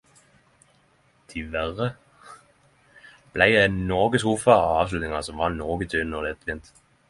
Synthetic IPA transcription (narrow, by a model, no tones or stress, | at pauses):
t̪ʰɪʋæʁə | b̥læɪd̪ænɔʁɡəsuːfɑɑɑːʋslʉt̪nɪŋɑsɔmʋɑnɔʁɡət̪ʰøːnɔd̪ɛt̪ʋɪnt̪